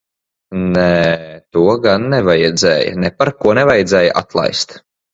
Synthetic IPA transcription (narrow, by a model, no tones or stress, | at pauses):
nɛːt̪uɔɡanːɛvajɛd̪zɛːjɐ̰nɛpaɾkuɔnɛvajɛd̪zɛːjəʔa̰t̪lˠa̰jst̪